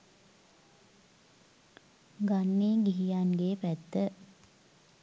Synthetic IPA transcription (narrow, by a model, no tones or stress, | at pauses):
ɡanːeːɡiɦijanɡeːpæt̪ːə